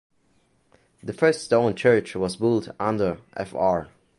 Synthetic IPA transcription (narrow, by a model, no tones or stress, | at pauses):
ðəfɜ˞ststõʊ̃nt͡ʃʰɜ˞t͡ʃwʌzbʊlˠtãndə˞ʔɛ̰fɑɹ